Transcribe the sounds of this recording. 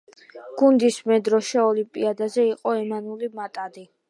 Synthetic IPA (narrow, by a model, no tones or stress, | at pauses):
ɡ̥und̪ismɛd̪ɾɔʃɛɔlimpʼiad̪azɛiqʼɔɛmanulimat̪ʼad̪i